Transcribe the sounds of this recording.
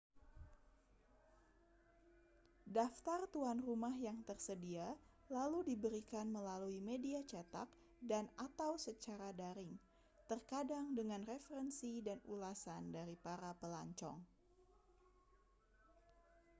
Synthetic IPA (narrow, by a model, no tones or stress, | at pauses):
daft̪art̪uanrumahjaŋt̪ərsədia | laludibəɾikanməlaluimediat͡ʃat̪a̰k̚ | danat̪awsət͡ʃaɾadaɾɪŋ | t̪ərkadaŋdəŋanrefəɾɛnsidanulasandaɾipaɾapəla̰ɲt͡ʃɔ̰ŋ